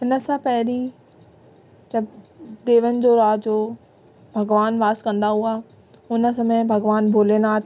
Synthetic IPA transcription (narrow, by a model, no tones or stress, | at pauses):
ɦɪnə̆sãpɐɦɪɾi | d͡ʑɐbd̪eːʋənɪ̆d͡ʑoːɾaːd͡ʑoː | bʱɐɡʋaːnʋaːskɐ̃nd̪aɦuaː | ʊnə̆sɐməbʱɐɡʋaːnbʱoːleːnaːt̪